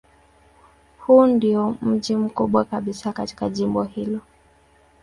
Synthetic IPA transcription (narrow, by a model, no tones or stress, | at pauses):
huːndiɔm̩ʄim̩kuɓwakaɓisakati̥kaʄimbɔhilɔ